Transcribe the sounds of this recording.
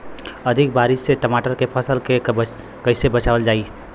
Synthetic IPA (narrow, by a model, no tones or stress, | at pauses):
əd̪ʱik̚baɾɪsseʈəmaʈəɾkepʰəsəlke | kəɪsebət͡ʃaʋəld͡ʒaːi